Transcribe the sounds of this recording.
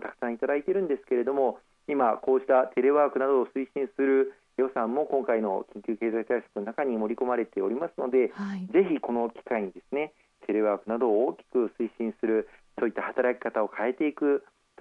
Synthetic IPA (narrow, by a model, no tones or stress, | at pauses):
t̪akɯ̥sãɰ̃it̪ad̪ait̪eɾɯ̟̃nd̪e̞sɨ̥ke̞ɾe̞d̪o̞mo̞ | imako̞ːɕi̥t̪at̪e̞ɾe̞βaːkɯ̟nad̪o̞ːsɨiɕĩsɨɾɯ̟ | jo̞sãmːo̞kõ̞ŋkaino̞̰kʲĩŋkʲɨːke̞ːzakɯ̟̥t̪aisḁkɯ̟no̞nakaɲ̟imo̞ɾʲiko̞maɾe̞t̪e̞o̞ɾʲimasɨno̞d̪e̞ze̞çiko̞no̞kʲi̥kaiɲ̟id̪e̞sɨne̞ | t̪ʰe̞ɾe̞βaːkɯ̟nad̪o̞ːkʲi̥kɯ̟sɨiɕĩɰ̃sɨɾɯ̟so̞ːit̪ːahat̪aɾakʲi̥kat̪ao̞kʰae̞t̪e̞ikɯ̟